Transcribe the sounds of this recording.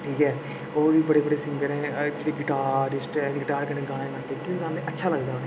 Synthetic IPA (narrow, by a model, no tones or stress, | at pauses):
ʈʰiːkɛː | oːʋiːbəɽeːbəɽeːsɪŋɡəɾɛ̃ːd͡ʒeɽeːɡɪʈaːɾɪsʈɛ̃ːɡɪʈaːɾkəneːɡãːɽ̃ẽːɡãnd̪eːkɪʋiːɡãːd̪eətːʃʰaːləɡd̪aːɦoneː